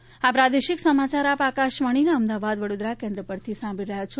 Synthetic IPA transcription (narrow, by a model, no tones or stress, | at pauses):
apɾad̪eʃɪksəmat͡ʃaɾapakaʃʋaɽ̃inaəmd̪aʋad̪ʋəɽod̪ɾakẽnd̪ɾəpəɾt̪ʰisãbʱiɾəɦjat͡ʃʰo